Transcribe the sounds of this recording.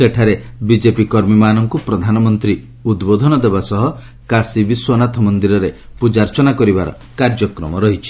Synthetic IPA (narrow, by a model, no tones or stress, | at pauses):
seʈʰaɾebid͡ʒepikɔɾmimanɔŋkupɾɔd̪ʱanɔmɔnt̪ɾi | ud̪bod̪ʱɔnɔd̪ebasɔɦɔ | kasibiswɔnat̪ʰɔmɔnd̪iɾɔɾepud͡ʒaɾt͡ʃɔnakɔɾibaɾɔ̰ | kaɾd͡ʒɔkɾɔmɔɾɔɦit͡ʃʰi̥